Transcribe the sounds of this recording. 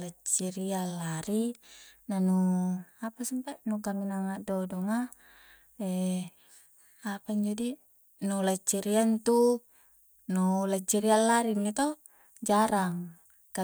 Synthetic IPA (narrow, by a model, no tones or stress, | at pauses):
lat͡ʃːiɾialːaɾinanuapasampanukaminaŋadodɔŋa | ɛ | apaɲd͡ʒadi | nolat͡ʃːiɾiant̪u | nolat͡ʃːiɾialːaɾinːit̪o | d͡ʒaɾaŋ | ka